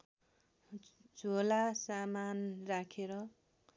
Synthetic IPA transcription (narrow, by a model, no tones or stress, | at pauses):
d͡zʱolasamanrakʰeɾʌ